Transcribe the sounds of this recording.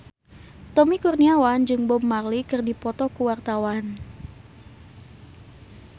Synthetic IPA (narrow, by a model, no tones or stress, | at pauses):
t̪ɔmikurniawand͡ʒɨŋbɔmːarlikɨrdipɔt̪ɔkuwart̪awan